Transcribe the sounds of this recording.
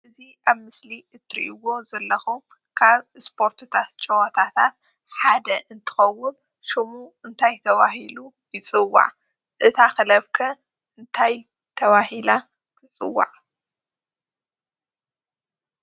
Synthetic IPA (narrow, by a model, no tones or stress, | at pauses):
ʔɨziʔaβmɨsliɨt̪ʰːɨɾḭʔiwo̞zɐlːɐxum | kʰaβspʰo̞ɾt̪ʰɨt̪ʰat̪̚t͡ʃʼɐwɐt̪ʰat̪ʰat̪̚ | ħad̪ɐʔɨnt̪ʰɨ̥xɐwːʊn | ʃɨmuɨnt̪ʰajt̪ʰɐβaɦilu | jɨt͡sʼɨwːa̰ʕ | ʔɨt̪ʰaxɨlɐβkʰɐ | ʔɨnt̪ʰaj | t̪ʰɐβahila | kʰɨt͡sʼɨ̰wːa̰ʕ